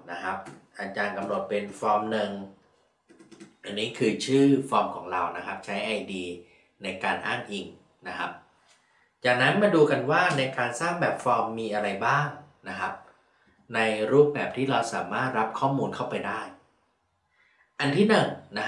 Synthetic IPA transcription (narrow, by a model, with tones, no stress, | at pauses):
na˦˥kʰɾa˦˥p̚ʔa˧˩t͡ɕaː˧nka˧mno˨˩t̪̚pe˧nfɔː˧mnɯ˨˩ŋ | ʔa˧˩nːiː˦˥kʰɯː˧t͡ɕʰɯː˥˩fɔː˧mkʰɔː˩˦ŋɾa˧wna˦˥kʰa˦˥p̚t͡ɕʰa˦˥jʔa˧jdiː˧ | na˧jkaː˧nʔaː˥˩ŋʔi˨˩ŋ | na˦˥kʰa˦˥p̚ | t͡ɕaː˨˩k̚na˦˥nmaː˧duː˧ka˧nwaː˥˩na˧jkaː˧nsaː˥˩ŋbɛː˨˩p̚fɔː˧mːiː˧ʔa˧ɾa˧jbaː˥˩ŋna˦˥kʰa˦˥p̚ | na˧jɾuː˥˩p̚bɛː˨˩p̚t̪ʰiː˥˩ɾa˧wsaː˩˦maː˥˩t̪̚ɾa˦˥p̚kʰɔː˥˩muː˧nkʰa˥˩wpa˧jdaː˥˩j | ʔa˧nt̪ʰiː˥˩nɯ˨˩ŋna˦˥